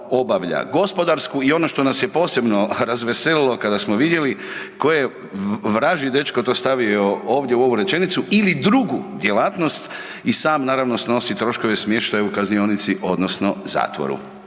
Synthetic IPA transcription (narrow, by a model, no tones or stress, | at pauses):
o̞baʋʎa̰ɡo̞spo̞d̪aɾskuio̞no̞ʃt̪o̞nasje̞po̞ːse̞bno̞ɾazʋese̞lilˠo̞kad̪asmoʋid̪je̞liko̞je | ʋɾaʒid̪e̞t͡ʃkot̪o̞ːst̪aʋiooːʋd̪jeuo̞ʋuɾe̞t͡ʃe̞nit̪suilid̪ɾuɡud̪je̞laːt̪no̞st̪ | isaːmnaːɾaʋnosno̞sit̪ɾo̞ʃko̞ʋe̞smje̞ʃt̪ajeukaznionit̪siʔo̞d̪nosno̞za̰ːt̪ʋo̰ɾṵ